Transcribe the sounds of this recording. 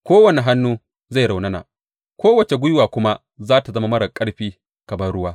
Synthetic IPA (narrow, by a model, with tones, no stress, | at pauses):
kʷoː˦wɐ˨ne˨ɦa˦nːuː˦ | za˦˨ɽa˨wnɐ˦na̰˨ | kʷoː˦wɐ˨t͡ʃe˨ɡʷʊ˦jwaː˨kʷʊ˦ma˦ | zaː˦ta˨zɐ˦ma˦mɐ˦ɽɐ˨kʼɐ˦ɽɸiː˦ | kɐ˨bɐ˦rɽʊ˦waː˦